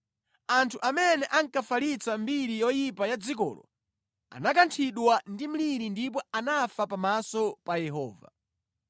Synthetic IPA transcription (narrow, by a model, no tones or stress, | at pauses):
antʰuʔamɛnɛʔaŋkafalit͡sambiɾijɔjipajad͡zik̬ɔ̰ːlɔ̰ | a̰nakantʰiɗwandim̩liɾindip̬ɔanafapamasɔpajɛɦɔ̰ːva̰